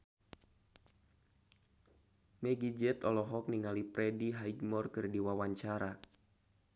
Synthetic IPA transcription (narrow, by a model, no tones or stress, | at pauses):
mɛɡid͡ʒɛt̪ɔlɔɦɔk̚niŋalipɾɛdiɦaiɡmɔrkɨrdiwawaɲt͡ʃaɾa